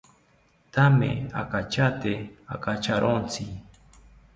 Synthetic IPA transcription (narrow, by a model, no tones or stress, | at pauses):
t̪amḛa̰kat͡ʃat̪ea̰kat͡ʃaɾʔont͡si